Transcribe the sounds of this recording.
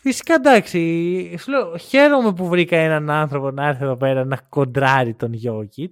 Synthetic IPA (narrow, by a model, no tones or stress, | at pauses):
fisi̥kɐd̪ɐksisule̞oçe̞ɾo̞me̞p̬uvɾikɐenɐnɐnθɾo̞po̞nɐeɾθieðo̞pe̞ɾɐnɐko̞nd̪ɾɐɾit̪o̞nʝo̞cit̪